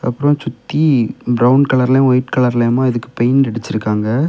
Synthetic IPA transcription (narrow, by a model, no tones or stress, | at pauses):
ɐpːɯɾɐ̃t͡ʃʊt̪ːibɾɐʊnkɐɭɐɾlẽʋɐjɪʈkɐɭɐɾleːmaːɪðɯkːɯ̥pɐjnɪɽɯt͡ʃːɪɾɯkːaːŋɡɐ